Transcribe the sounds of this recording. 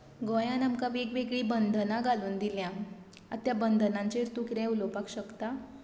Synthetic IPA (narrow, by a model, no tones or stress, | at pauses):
ɡɔjãnamkaʋekʋeɡɭiːbənd̪ʱnãɡʱaluːnd̪iljã | at̪jabənd̪ʱnãɲt͡ɕeɾt̪ukɾẽulopakɕəkt̪a